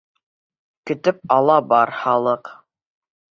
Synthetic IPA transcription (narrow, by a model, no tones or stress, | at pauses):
kɵ̆t̪ɘp̚ɑlˠɑbɑɾhɑlˠɤq